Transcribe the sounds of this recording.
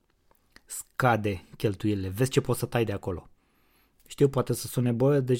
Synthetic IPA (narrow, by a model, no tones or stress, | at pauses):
skad̪e̞kʲe̞lt̪uilile̞vesʲt͡ʃe̞po̞t̪sət̪ajd̪e̞ako̞lo̞̰ | ʃt̪iwpoat̪e̞səsunebod̪e